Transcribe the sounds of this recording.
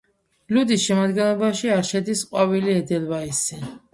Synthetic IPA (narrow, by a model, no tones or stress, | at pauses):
lud̪isʃɛmad̪ɡɛnlˠɔbaʃiaɾʃɛd̪isqʼwaviliɛd̪ɛlvaisɛ